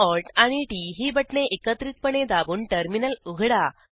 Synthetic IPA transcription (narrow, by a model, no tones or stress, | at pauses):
ɔɾʈaɽ̃iʈiɦiːbəʈneʔekət̪ɾit̪̚pəɳed̪abuːnʈəɾminəluɡʱɽa